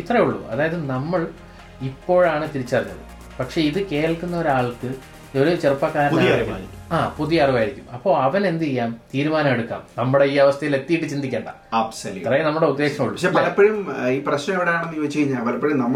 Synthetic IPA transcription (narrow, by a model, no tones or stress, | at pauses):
it̪rɐjuɭːṵɐ̰ðaːjɐðɨnɐmːɐɭ | ipːo̞ːɻaːɳɨt̪iɾit͡ɕːɐriɲːɐ̰ðɨ̰ | pɐkʂe̞iðɨke̞ːlkːunːɐo̞ɾaːɭkɨ | o̞ɾut͡ɕerpːɐkaːɾɐɳɐɐɾikʲːɐmaːiɾikʲːaːpuðijɐɐriʋaːjiɾikʲːumɐpːo̞ːɭɐʋɐne̞nd̪iejːaːmt̪iːɾumaːnɐme̞ɽukːa̰ːmnɐmːuɽe̞iːɐʋɐst̪ʰɐjile̞t̪ːijiʈːɨt͡ɕind̪ikʲːeːɳɖɐ̰ | ɐbsɐlṵt̪rɐjnɐmːuɽe̞ud̪ːe̞ːkʂɐmuɭːuɐʂepɐlɐpːeɻumiːprɐɕnɐjoiɽejaːɳenːuiʋɐt͡ɕːejiɲːaːlɐʋɐlepːeɻumnɐmː